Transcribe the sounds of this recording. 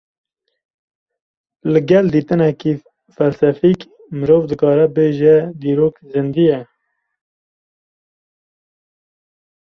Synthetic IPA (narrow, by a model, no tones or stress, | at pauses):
lɨɡɛld̪iːt̪ɨnɛki | fɛlsɛfiːk | mɨɾoːvd̪ɨkɑːɾɛbeːʒɛd̪iːɾoːkzɨnd̪ijɛ